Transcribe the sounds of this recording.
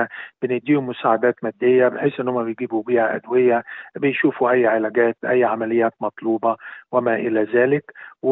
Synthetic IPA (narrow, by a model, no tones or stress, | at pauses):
b̥ɪnɪd̪ːiːhʊmːʊsaːʕad̪æːt̪mæd̪ːejːæbɪħeːsʔɪnːhʊmːæbejɡiːbubiːhæʔæ̰d̪wɪjːæbɪjʃuːfuʔæjːʕɪlæɡæːt̪ʔæjːʕamælɪjːæːt̪mɑt̪ˤluːbɑwɪmæʔɪlæzæːlɪkw